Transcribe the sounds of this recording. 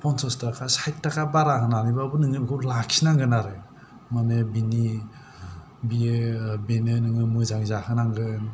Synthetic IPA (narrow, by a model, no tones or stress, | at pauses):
pʰɔnsɔstakʰasajtakabaɾaɦɯnanibabunɯŋɯbkʰulakʰsinaŋɡɯnaɾe | manebini | biebenɯnɯŋɯmɯzaŋzakʰɯnaŋɡɯn